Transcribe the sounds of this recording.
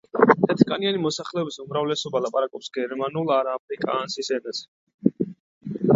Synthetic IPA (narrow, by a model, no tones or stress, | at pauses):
t̪ʰɛt̪ʰkʼanianimɔsaχlɛɔbisumɾavlɛsɔbalapʼaɾakʼɔpsɡɛɾmanulˠaɾaːpʰɾikʼaːnsisɛnas